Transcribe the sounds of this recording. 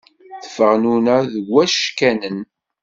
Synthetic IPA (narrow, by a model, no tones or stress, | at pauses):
θə̥fəʁnunæðɡæʃkænən